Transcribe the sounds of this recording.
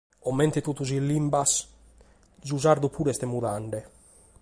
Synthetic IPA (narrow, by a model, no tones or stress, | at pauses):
ɔmɛnt̪et̪ut̪ːuzilːimbas | d͡ʒuzaɾd̪upʰuɾɛst̪emuðaɳɖe